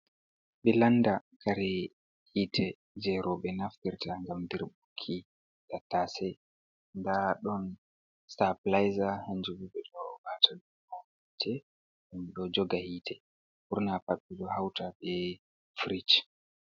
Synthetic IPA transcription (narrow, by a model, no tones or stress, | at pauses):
ɓɛlandakʰaɾɛ | hiːtʰɛ | d͡ʒɛɾɔɓɛnaftiɾtaŋɡamdiɾɓukʰːi | ɗatːasɛ | ndaɗɔn | staplajzahaɲd͡ʒubuɓɛɗɔbatʰadumamitʰɛ | ʔumɗɔd͡ʒɔɡahiːtʰɛ | huɾnapaɓːiɗɔhawtaɓɛ | fɾit͡ʃ